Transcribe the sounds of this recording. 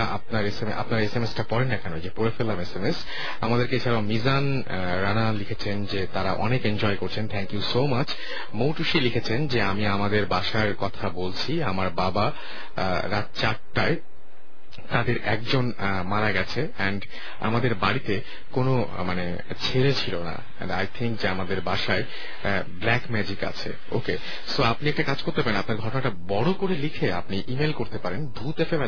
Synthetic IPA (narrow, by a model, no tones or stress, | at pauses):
ap̚naɾesemʔa̰pnaɾesemesʈapɔɾenːakɛnod͡ʑepoɾefɛlamesemes | amad̪eɾkeeaɾaʊmizan | ɾanalikʰet͡ɕʰend͡ʑet̪aɾaʔɔ̰nekend͡ʑɔekoɾt͡ɕʰent̪ʰɛŋkjusomat͡ɕʰ | mowʈuʃilikʰet͡ɕʰend͡ʑeamiamad̪eɾbaʃaɾkɔt̪ʰabolt͡ɕʰiamaɾbaba | ɾat̪̚t͡ɕaʈ̚ʈae | t̪ad̪eɾɛk̚d͡ʑon | maɾaɡɛt͡ɕʰe | ɛnɖ | a̰mad̪eɾbaɽit̪e | kono | mane | t͡ɕʰeɾet͡ɕʰilona̰ | ɛ̰najt̪ʰiŋkd͡ʑeamad̪eɾbaʃae | blɛkmɛd͡ʑika̰t͡ɕʰḛ | o̰ke | soapniɛkʈakad͡ʑkoɾt̪epaɾenapnaɾɡʱɔʈonaʈabɔɽokoɾelikʰea̰pniʔimelkoɾt̪epaɾenbʱut̪efebe